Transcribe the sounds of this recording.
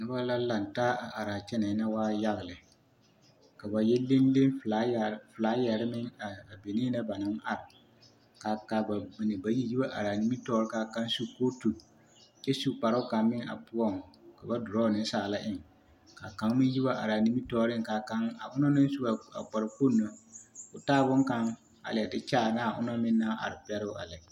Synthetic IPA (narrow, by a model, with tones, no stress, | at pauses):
nɪ˦ba˦la˦la˨n˨taː˦a˨ʔa˨ɾa˨t͡ʃɛ˦na˨˦na˦waː˦ja˦ɣɪ˨lɪ˨ | ka˨ba˨jɛ˦le˦n˦le˦nfa˦˨fla˨˦jɛ˨ɾɪ˦mɪ˦ŋa˨a˨be˨niː˦na˦ba˨nɪ˨˦ŋʔa˨ɾɪ˨ | ka˨ka˨ba˨nɪ˨ba˨ji˦ji˦ba˦ʔa̰˨ɾa˨ni˦mi˦tɔː˦ɾɪ˦ka˨ka˦nsu˦koː˦tu˨ | t͡ʃɛ˦su˦k͡pa˨ɾɪ˦ka˨mɪ˦ŋa̰˨pʊ˦ɔ˦ŋ˨ka˨ba˦dʊ˨ɾɔ˦˨nɪ˦n˦saː˨la˦ʔɪ˦˨ŋ | ka˨ka˨˦ŋmɪ˦nji˦ba˦ʔa̰˨ɾa˨ni˦mi˦tɔː˦ɾɪ˦ŋ˨ka˨ka˦ŋa˨ʊ˦nɔ˦na˦n˦su˦a˨a̰˨k͡pa˨ɾɪ˨ko˦˨nːo˦ʊ˨taː˦˨bʊ˦ŋka˦ŋ | a̰˨lɪ˨ɛ˨dɪ˦t͡ʃaː˦˨na˦˨ʔʊ̰˦nɔ˦mɪ˦nːa˦ʔa̰˨ɾɪ˨pɛ˦ɾɪ˦ʊ˦ʔa̰˨la˨